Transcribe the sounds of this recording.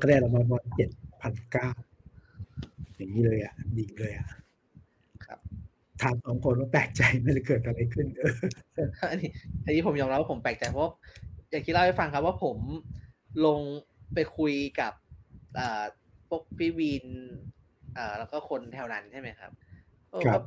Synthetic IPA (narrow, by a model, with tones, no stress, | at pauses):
kkɛː˥˩la˧maː˧nmɔː˧t͡ɕe˨˩t̪̚pʰa˧nkaː˥˩w | ja˨˩ŋːiː˦˥lɤː˧jʔa˨˩ʔni˧ŋlɤː˧jʔa˨˩ʔ | kʰa̰˦˥p̚ | t̪ʰaː˧ŋsɔː˨˩˦ŋkʰo˧nwaː˥˩plɛː˨˩k̚t͡ɕa˧jma˥˩da˥˩kɤː˨˩t̪ʔa˧ɾa˧jkʰɯ˥˩nɤː˧˥˩ | ʔa˧niː˦˥˩ʔa˧nːiː˦˥pʰo˩˦mjɔː˧mɾa˦p̚waː˥˩o˩˦plɛː˨˩k̚t͡ɕa˧jpʰɔ˦˥wa˥˩jaː˨˩ŋk̪̚ʰlha˥˩fa˧ŋkʰa˦˥p̚waː˥˩pʰo˩˦m | lo˧ŋpa˧jkʰu˧jka˨˩p̚ʔɤː˨˩ | pʰːo˦˥˩k̚pʰiː˦˥˩wi˧n | ʔɤː˨˩lɛː˦˥wkɔː˥˩kʰo˧nt̪ʰɛː˧wna˨˦nt͡ɕʰa˥˩ma˦˥jkʰa̰˦˥p̚ | ʔɔː˧kʰa˦˥p̚